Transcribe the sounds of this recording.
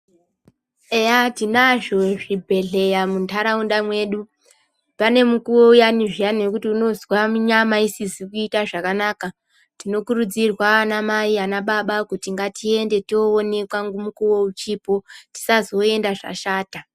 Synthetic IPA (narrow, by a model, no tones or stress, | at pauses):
ejatinaʐo̞ʐibʱe̞ɮe̞jamuntʰaɾaunɗamwe̞ːɗu | pane̞mukuwo̞ujaniʐijanekutiuno̞zwamuɲamaisisikuitaʐakanaːka | tino̞kurud͡zirwaːnamaianaɓaɓakutiŋɡatʰie̞nde̞tioone̞kwaŋɡomukuwo̞ut͡ʃipo̞ti̥sazo̞e̞ndaʐa̰ʃaːta